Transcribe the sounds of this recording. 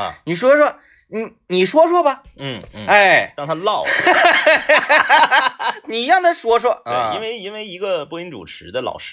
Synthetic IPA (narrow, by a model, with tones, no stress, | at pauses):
ni˨˩ʂ̬wɔ˥ə˧ʂ̬wɔ˥ | ni˨˧˩ | ni˨˩ʂwɔ˥ʂwɔ˥bɐ˨ | n̩˥˩˥a˥˩ɪɻɑ˥˩ŋt̪ʰa˥lɑ˥˩ʊ | ni˨˩i˧˥jɑ˥˩ŋd̪ə˨ʂwɔ˥ʂwɔ˥te˥˧˩i˥nwe˥˩ɪi˥nwe˥ɪi˧˥ɡə˧pu˥i˧˥ŋʈ͡ʂṵ˨˩ʈ͡ʂʰɻ̩˧˥d̪ə˧lɑ̰˨˩ʊʂɻ